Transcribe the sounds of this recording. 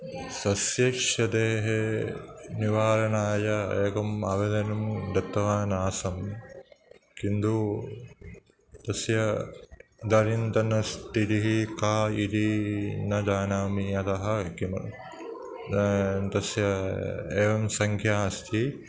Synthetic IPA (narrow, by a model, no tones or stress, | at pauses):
sɐsjɐkʂɐd̪eːɦe | niʋaːɾɐnaːjɐeːkɐmɐ̰ʋed̪ɐnumd̪ɐt̪ːɐʋaːnaːsɐm | kind̪u | t̪ɐsjɐ | d̪ɐɾint̪ɐnɐst̪it̪iɦikaːid̪inɐd̪aːnaːmiɐt̪ɐɦɐkimɐ | t̪ɐsjɐeːʋɐmsɐŋkʰjaːɐst̪ʰi